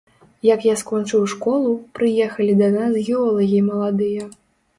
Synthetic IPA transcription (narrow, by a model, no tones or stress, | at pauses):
jɐkjaskɔnt͡ʂɨwʂkɔlˠupɾɨjɛxɐlʲid̪ɐnasɣʲɛɔlˠɐɣʲimɐlˠad̪ɨjɐ